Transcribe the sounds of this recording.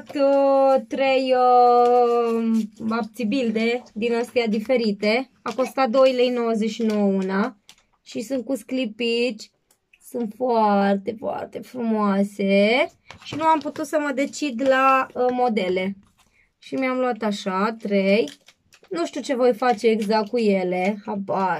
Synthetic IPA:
t̪ət̪ɾejə | ap̚t̪sibild̪e̞d̪inast̪ead̪ife̞ɾit̪e̞ | ako̞st̪at̪̚d̪o̞jlejno̞wəzeʃinowəuna | ʃisunt̪̚kusklipit͡ʃʲ | sunt̪foart̪e̞foa̰rt̪e̞fɾumoase̞ | ʃinuamput̪ut̪səməd̪e̞t͡ʃid̪laəmo̞d̪e̞le̞ | ʃimeamluat̪aʃat̪ɾej | nuʃt̪iut͡ʃe̞vo̞jfat͡ʃe̞ːɡzakkkuje̞le̞haba

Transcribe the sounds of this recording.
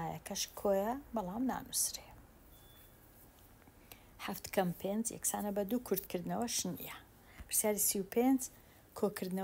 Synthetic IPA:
aːjɐ̰kʰɐʃkʰoːjɐbɐlˠɑːmna̰ːnusɾe | ħaft̪kʰɐmpʰenzjɛ̰ksaːnɐbɐd̪ukʰʊɾd̪kɨɾd̪ɨnɐwɐʃnḭjɐ | pʰɨ̥ɾ̥sjaːɾisiwpʰend͡ʒ | kʰokʰɨɾd̪nɐ

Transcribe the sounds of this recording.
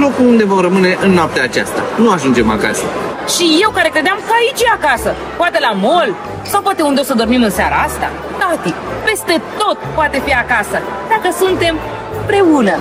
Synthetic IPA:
lo̞kuund̪e̞vo̞mrəmɨne̞ʔɨnːoap̚t̪eat͡ʃa̰st̪a̰nuaʒund͡ʒe̞ma̰ka̰sə̰ʃije̞wkaɾe̞kɾe̞d̪eɪamkəait͡ʃeakasə | poat̪elamo̞l | sawpwat̪e̞und̪eosəd̪o̞rmimɨnseaɾa̰ast̪a̰ | t̪at̪ikpe̞st̪e̞t̪o̞t̪̚poat̪e̞fiakasəd̪akəsunt̪e̞m | ɨmpɾe̞unə

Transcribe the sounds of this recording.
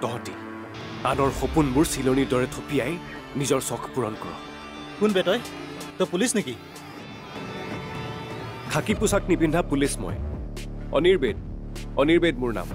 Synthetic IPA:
tɔɦɔti | anɔɹxopunmʊɹsilonidɔɹɛtʰopijaj | nizɔɹsɔkʰpuɹɔnkɔɹɔ̰ | kunbɛtɔj | tɔjpulisniki | kʰakipusak̚nibʱindʱapulismɔ̰j | ɔ̰niɹbed̚ɔniɹbed̚mʊɹna̰m

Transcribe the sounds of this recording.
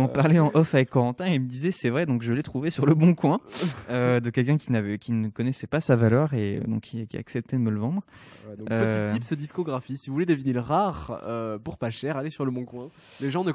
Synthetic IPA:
ɑ̃paʁlɛɑ̃ʔɔfavɛkkːɔʁɑ̃t̪ɛ̃eiməd̪izɛsɛvʁɛd̪ɔ̃kʒəlɛt̪χuvesyʁləbɔ̃kwɛ̃ød̪əkʲɛlkʲɛ̃kʲinavɛkʲinəkɔnɛsɛpasavalœʁeø̰d̪ɔ̃kʰikʲia̰ksɛp̚t̪ɛd̪əmələvɑ̃d̪ʁ | øpəipsed̪iskɔɡʁafisivuvuled̪əvineləʁaʁøpuʁpaʃɛʁalesyʁləbɔ̃kwɛ̃ | leʒɑ̃nə

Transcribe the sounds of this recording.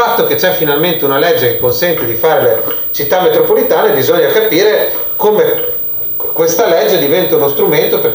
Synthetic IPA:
at̪ːok̟et͡ʃɛfːinalment̪eunalɛd͡ʒːekekːonsɛnt̪ed̪ifaːɾelet͡ʃit̪ːamːet̪ɾopolit̪aːnebizoɲːakapiːɾekome | kwest̪alɛd͡ʒːed̪ivɛnt̪aunost̪ɾument̪oper

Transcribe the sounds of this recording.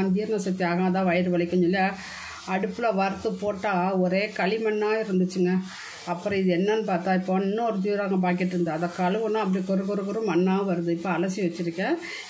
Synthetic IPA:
nd̪iːɾɐnɐsɐt̪ːiaːɣãːɐt̪ãːʋɐjɐɾɯʋɐɭɪkːɐɲɔlːa | ɐɽɯpːɯlɐʋɐɾt̪ːɯpoːʈːaːɔɾeːkɐɭɪmɐnːaːɪɾɯnd̪ɯt͡ʃːɯŋɡɐ | ɐpːɯɾɔ̃ɪðɯɛnːɐnːɯpaːɾt̪ãːɪpːoːɪnːɐ̃ɔɾɯd̪uːɾaːŋɡɐp̬aːk̬ɪʈːɪɾɯnd̪aɐðɐkːɐlɯʋɯnːãːɐpːɐɽikɔɾɯkɔɾɯkɯɾɯ̃mɐɳːãːʋɐɾɯðɯɪpːoɐlɐsiʋɐt͡ʃːɪɾɯkːɛ̃ː

